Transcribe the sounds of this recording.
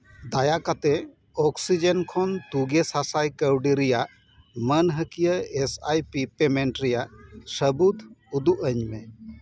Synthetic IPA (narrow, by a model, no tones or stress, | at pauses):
d̪ajakat̪ɛ | ɔksid͡ʒənkʰɔnt̪uɡesasajkəwɖiɾijaʔ | mənɦəkijəesajpipemeɳʈɾijaʔsəbud̪ud̪uʔəɲmɛ